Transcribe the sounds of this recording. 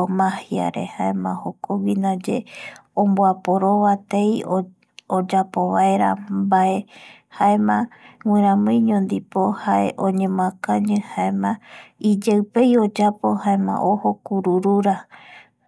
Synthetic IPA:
mãhia̰ɾe̞̰haemãhokowinad͡ʒeõmboapo̞ɾo̞βat̪ejo | od͡ʒapo̞βaeɾa̰bae̞ | haemãŋĩɾ̃ãmɨ̃j̃ɲõnd̪ipo̞haeʔõɲẽmõãkãɲɨ̃haemãid͡ʒewpe̞jo̞d͡ʒapo̞haemã̰ʔohokuɾuɾuɾa

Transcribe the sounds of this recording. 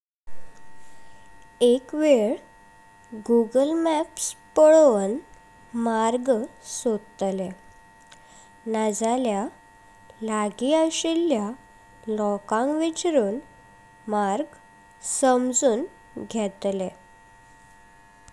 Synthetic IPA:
ekʋeɭ | ɡuɡəlmæpspəɭʋən | maɾɡsod̪t̪le | nad͡zalja | laɡiaɕilːja | lɔkãŋkʋit͡ɕɾuːn | maɾɡ | səmd͡zuːn | ɡʱɛt̪le

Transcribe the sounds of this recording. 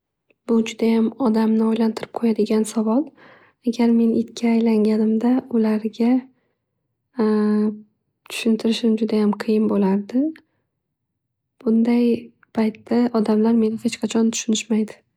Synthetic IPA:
b̥ʊd͡ʒʊd̪ajamɒd̪amnɪɒjlant̪ʰɪɾɪp̚qʰojad̪ɪɡʲansavɒlˠ | aɡʲaɾme̞nʔɪt̪kʲʰaːjlaŋɡʲanɪmd̪aʊlaɾɡʲa | t̪ʰʊ̥ʃɪnt̪ʰɪɾɪʃɪmd͡ʒʊd̪ajamqʰɨjɪnbolaɾd̪ɪ | b̥ʊnd̪aj | pʰajt̪ːaʔɒd̪amlaɾme̞nɪhe̞t͡ʃqʰɑt͡ʃʰɒnt̪ʰʊ̥ʃʊnɪʃmajd̪ɪ

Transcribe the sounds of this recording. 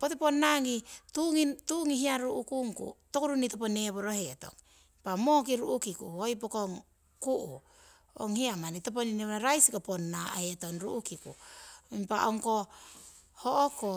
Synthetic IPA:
poteponːaŋituŋituŋiɦiaɾuʔukuŋkṵtokuɾunitopone̞βoɾohe̞to̞̰ŋ | ipamo̞k̬iɾuʔukikṵojp̬okoŋ | kuʔu | oŋhiamanitop̬onineβaɾajsikoponːaheto̞nɾuʔukikṵimpaʔoŋko̞ | hoʔoko

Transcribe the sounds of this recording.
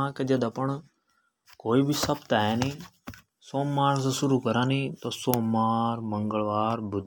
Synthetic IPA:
ãked͡ʒɐd̪ɐpəɳ | koːiːbʱisɐbt̪aɦɛːnĩː | soːmːaːɾs̬esʊɾuːkəɾãːnĩːt̪oːsoːmaːɾmə̃ŋɡəɭʋaːɾbʊd̪

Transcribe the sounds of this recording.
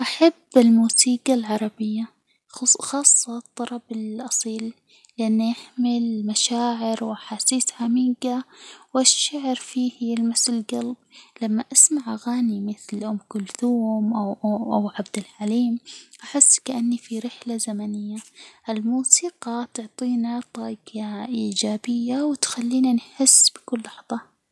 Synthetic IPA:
ʔaħabːɪlmuːsiːɡalʕɑɾˤɑbɪjːa | xɑːsˤːɑt̪ˤːɑlˤɑbɪlʔɑsˤiːlː | ɪʔanːijaħmɪlmaʃaːʕɪɾwʔaħaːsiːsħamiːɡawɪʃːaʕɾfiːhlmasɪlɡalblamːaʔasmaʕʔaɣaːnimɪθlʔʊmːkʊlθuːmʔawʔʔawʕabd̪alħaliːmʔaħɪsːkaʔanːifiɾɪħlazamanɪjːaʔɪlmuːsiːqɑt̪ʊʕt̪ˤiːnat̪ˤɑːɡaʔiːd͡ʒaːbɪjːawɪt̪xalːiːnanħɪsːb̥ɪ̥kʊlːɑħðˤɑ

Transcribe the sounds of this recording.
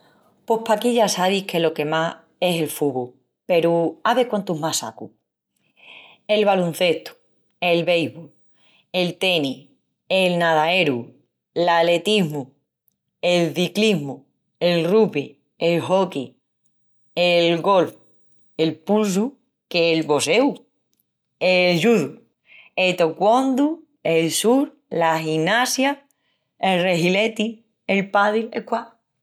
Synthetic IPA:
po̞hpakiʎasaβihke̞lo̞ke̞ma | e̞se̞lfuβo | pe̞ɾuaβekwant̪uɦmasa̰ku | e̞lβalun̟θe̞ht̪u̥ | e̞lβe̞jβol | e̞lt̪e̞ni | elnaðae̞ɾu | lale̞t̪iɦmu | e̞lθikliɦmu | e̞lrupi | elɦoki | elɣo̞lf | elpuls̬u | keːlβo̞sew | elʒuðu | et̪okwond̪u | elsuɾ | lahinasja | elreɦilet̪i | elpaðilḛkwa

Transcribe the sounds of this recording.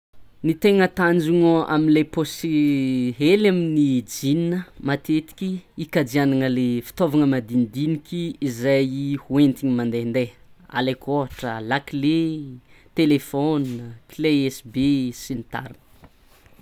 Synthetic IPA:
nit̪eŋət̪and͡ʒuŋoʔa̰minleposiɦelaminid͡zininəmat̪et̪i̥kʲiikad͡zianaŋəlefi̥t̪ovaŋəmad̪inid̪inikʲiizajihuent̪iɲimand̪end̪ea̰lekoaʈ͡ʂəlakle | t̪elefɔnkleɛsbesinit̪a̰ɾinə̥

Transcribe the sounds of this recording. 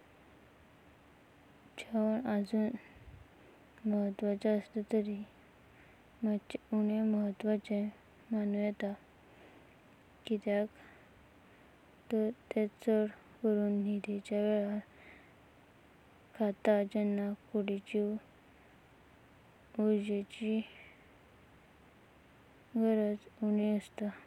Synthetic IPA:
d͡ʑaʋənəd͡zuːn | məɦət̪ːʋat͡saəst̪ət̪əɾi | mat͡ɕuɳeməɦət̪ːʋat͡sẽ | manujɛt̪a | kit̪jak | t̪əɾt̪et͡səɽ | kəɾuːnnid̪et͡ɕjaʋɛɭa | kʰːat̪ad͡ʑɛnːakuɽit͡ɕi | ud͡ʑet͡ɕi | ɡʱəɾət͡suɳiəst̪a

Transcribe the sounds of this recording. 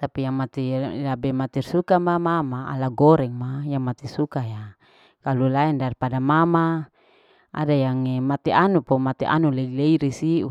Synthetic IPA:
t̪apijaŋmat̪ilabɛmat̪irsukamamamaa̰laɡɔɾɛŋmajaŋmat̪isukaja | kalulaɛndarpadamama | a̰dajaŋemat̪ɛʔanupɔmat̪ɛʔa̰nuleileiɾisiʔu

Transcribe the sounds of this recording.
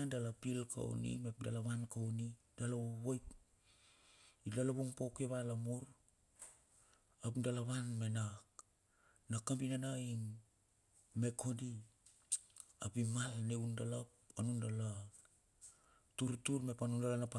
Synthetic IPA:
adalapilkʰa̰o̰nḭme̞pdalaβankawni | d̥alaβojp | ilalaβuŋpokeβalamuɾ | apdalaβanme̞nak | nakambinanaimː | e̞kʰo̞di | apimalneundalapanundala | tuɾtuɾme̞panundalanapa

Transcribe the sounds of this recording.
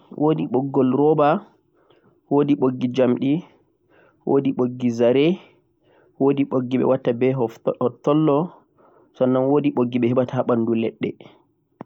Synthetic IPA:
wʔoːdiɓɔɡːɔlɾɔba | woːdiɓoɡːid͡ʒamɗi | wʔodiɓoɡːizaɾɛ | wodiɓoɡːiɓɛ̰watːabɛɦɔhɔtːɔlːɔ | sɔnːanwodiɓoɡːiɓɛhɛɓataaɓandulɛɗːɛ

